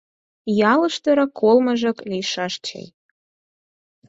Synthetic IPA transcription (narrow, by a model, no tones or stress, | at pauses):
jɑlə̆ʃt̪ə̆ɾɤ̆kʰolmə̆ʒɤ̆klʲiʃɑʃt͡ɕḛj